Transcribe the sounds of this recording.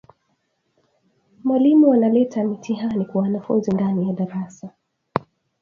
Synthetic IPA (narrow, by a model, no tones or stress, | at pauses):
mwalimuanalɛtʰamitʰiɦanikwawanafṵnzindanijaɗaɾasa